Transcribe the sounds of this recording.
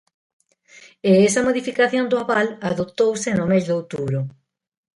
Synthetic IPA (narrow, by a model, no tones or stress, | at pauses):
eɛsɐmoðifikaθjond̪oaβalaðot̪owsɪnʊmezðowt̪uβɾʊ